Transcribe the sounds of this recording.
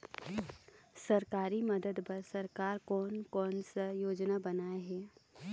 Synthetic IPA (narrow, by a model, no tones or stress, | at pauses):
sɐɾkaːɾimɐd̪əd̪pɐɾsɐɾkaːɾkɔːnkɔːnsajoːd͡ʒnabɐnaːeɦɛː